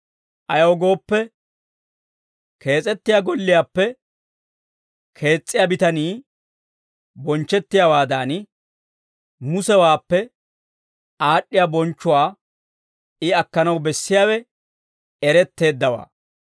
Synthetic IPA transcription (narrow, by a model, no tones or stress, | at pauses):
ʔɐjɐwɔɡo̞ːpːɛ | kʰe̞ːt͡sʼɛt̪ːɪjaɡɔlːɪjaːpːɛ | kʰe̞ːt͡sʼːɪjabɪt̪ɐniː | bɔnt͡ʃːɛt̪ːɪjawaːd̪aːn | mʊsɛwaːpːɛ | aːɗːɪjabɔnt͡ʃːʊwaː | ɪɐkːɐnɐwbɛsːɪjaːwɛ | ɛɾɛt̪ːe̞ːd̪ːɐwa̰ː